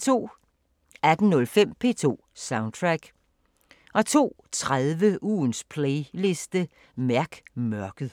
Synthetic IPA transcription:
t͡sʰo̝̰ː | æd̥n̩nɔ̽lfem̰pʰe̝̰ːt͡sʰo̝̰ːsɑ̈ʊnt͡sʰʁaɡ̥ | ʔɒ̽t͡sʰo̝̰ː | t͡sʰʁaðˠʋəʔṵːnspʰleɪle̝sd̥ə | mæɐɡ̥mɶɐɡ̥ð̩ˠ

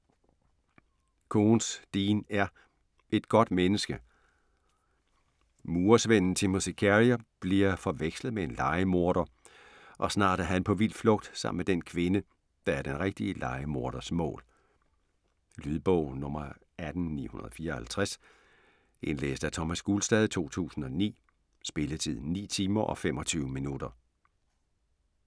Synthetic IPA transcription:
kʰo̝ːnsd̥iːnæɐ | ʔe̝d̥ɡ̥ɒ̽d̥menəsɡ̥ə | muːɐsʋen̰n̩t͡sʰe̝musikʰæʁiæb̥liɐfɒ̽ʋeɡ̥sləð̩ˠmee̝nlɑ̈ɪəmo̝ɐɾ̥ɐ | ʔɒ̽snɑ̰̈ːd̥æɐɦænpʰɒ̽ʋil̰d̥flɔ̽ɡ̥̚d̥sɑ̈m̰̩med̥enkʰʋe̝nə | d̥ɑ̈æɐd̥enʁeɡ̥̚d̥iəlɑ̈ɪəmo̝ɐɾ̥ɐsmɔ̰̽ːl | lyðˠb̥ɔʊ̰nɔ̽mɐ | æd̥n̩nḭːhunɐð̞ˠɒfiːɐɒhælt͡sʰʁas | ʔe̝nlḛːsd̥æt͡sʰɒmæsɡ̥ulsd̥ɛːð̞ˠt͡sʰo̝̰ːt͡sʰṵːsn̩ɒ̽nḭː | sb̥e̝lət͡sʰið̞̰ˠnḭːt͡sʰiːmɐʔɒ̽fem̰ɒ̽t͡sʰyːʊminud̥ɐ

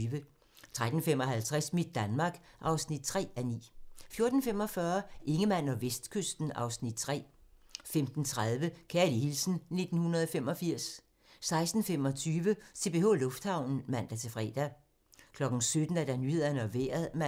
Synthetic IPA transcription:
ʋə | t͡sʰʁad̥n̩fem̰ɒ̽ɦælt͡sʰʁɛsmid̥̚ːænmɑ̈ːɡ̥ʔɑ̈ʊsnid̥̚t͡sʰʁɛ̰ːænḭːfjo̝ɐd̥n̩fem̰ɒ̽fɶːɐʔe̝ŋəmæn̰ɒ̽ʋesd̥kʰøsd̥n̩ɑ̈ʊsnid̥̚t͡sʰʁɛ̰ːfemd̥n̩t͡sʰʁað̞ˠʋəkʰæɐlihilsn̩ne̝d̥n̩hunɐðˠɒ̽femɒ̽fiɐ̰sː | ɑ̈ɪsd̥n̩fem̰ɒ̽t͡sʰyːʋəse̝b̥e̝ho̰lɔ̽fd̥hɑ̈ʊ̰nn̩mæn̰d̥æt͡sʰe̝fʁɛ̰ːd̥æ | kʰlɒ̽ɡ̥n̩sød̥n̩æɐd̥ænyːhe̝ð̞ˠɐnəɒ̽ʋḛːɐðˠm

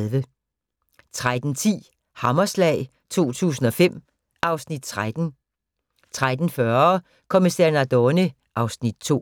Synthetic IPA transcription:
lʋə | t͡sʰʁad̥n̩t͡sʰḭː | hɑ̈mɐslɛ̰ɪ | t͡sʰo̝̰ːt͡sʰṵːs̬n̩ɒ̽fem̰ | ɑ̈ʊsnid̥̚t͡sʰʁad̥n̩ | t͡sʰʁad̥n̩fɶɐ | kʰomisɛɐnæd̥ɒni | ʔɑ̈ʊsnid̥̚t͡sʰo̝̰ː

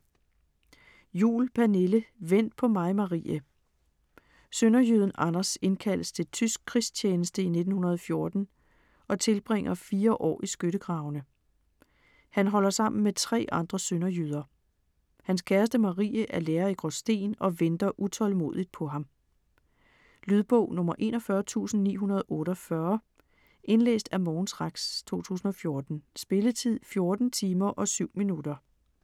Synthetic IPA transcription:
jṵːlpʰæne̝ləʋen̰d̥̚pʰɒ̽mɑ̈ɪmɑ̈ʁḭːə | sønɐjyð̞ˠn̩ʔɑ̈nɐse̝nkʰæl̰əst͡sʰe̝lt͡sʰysɡ̥̚kʰʁis̚t͡ɕʰeːnəsd̥əine̝d̥n̩hunɐð̞ˠɒ̽fjo̝ɐd̥n̩ | ʔɒ̽t͡sʰe̝lb̥ʁeŋ̰ɐfiːɐʔɒ̰ːʔisɡ̥øɾəɡ̥ʁɑ̈ʊnə | hænɦɒ̽l̰ɐsɑ̈m̰n̩met͡sʰʁɛ̰ːɑ̈nd̥ʁɐsønɐjyð̞ˠɐ | hænskʰæɐsd̥əmɑ̈ʁḭːəʔæɐleːɐiɡ̥ʁɔsd̥e̝̰ːnɒ̽ʋend̥ɐʔut͡sʰɒ̽lmo̝̰ð̰ˠid̥̚pʰɒ̽ɦɑ̈m | lyðˠb̥ɔʊ̰nɔ̽mɐʔe̝ːnɒ̽fɶɐt͡sʰṵːsn̩nḭːɦunɐð̞ˠʔɔ̽ːɾɒ̽fɶɐ | ʔe̝nlḛːsd̥æmɒːnsʁɑ̈ɡ̥st͡sʰo̝̰ːt͡sʰṵːsn̩ɒ̽fjo̝ɐd̥n̩sb̥e̝lət͡sʰið̰ˠfjo̝ɐd̥n̩t͡sʰiːmɐʔɒ̽syʊ̰minud̥ɐ

